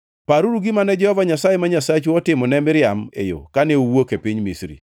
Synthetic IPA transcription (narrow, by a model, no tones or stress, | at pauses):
paɾuɾuɡɪmanɛd͡ʒɛhɔvaɲasajemaɲasat͡ʃuɔtɪmɔnɛmɪɾɪamḛjo̰kaneuwokepiɲmisɾḭ